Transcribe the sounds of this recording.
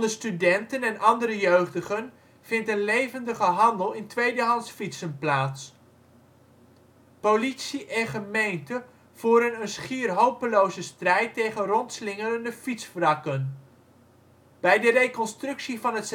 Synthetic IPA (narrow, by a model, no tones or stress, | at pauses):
dəstydɛntənɛnʔɑndəɾəjøɥχdəχən | v̥ɪntənlejvəndəχəɦɑndəlˠɪntʋejdəɦɑnsfitsənplaːts | powlitsiʔɛnχəmejntə | v̥uːɾənənsχiːrɦowpəlowzəstrɛjtːejχənrɔntslɪŋəɾəndəfitsfrɑkən | b̥ɛjdərejkɔnstrʏksivɑnɦəts